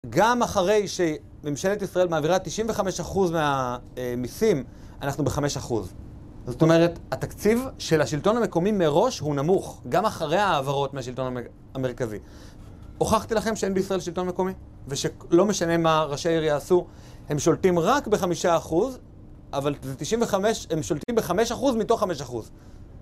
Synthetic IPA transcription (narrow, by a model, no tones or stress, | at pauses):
ɡamaχaʁe̞jʃe̞ | memʃe̞letisʁae̞lmaːviʁatiʃiɱve̞χame̞ʃaχuzmeamisim | a̰naχnube̞χame̞ʃaχuz | zoto̞me̞ʁe̞tatakt͡sivʃe̞laʃilto̞nhame̞ko̞mimeʁo̞ʃhunamuχɡamaχaʁe̞jhaːvaʁo̞tmeaʃilt̪o̞na | ame̞ʁ̞kazi | oχaχtilaχe̞mʃeenbeisʁaelʃilto̞nme̞ko̞mi | veʃelo̞me̞ʃane̞maʁaʃaiʁjaːsu | he̞mʃo̞ltimʁakbe̞χamiʃaːχuz | ʔavalzetiʃĩmɱveχameʃhemʃo̞ltimbeχame̞ʃaχuzmito̞χːame̞ʃaχuz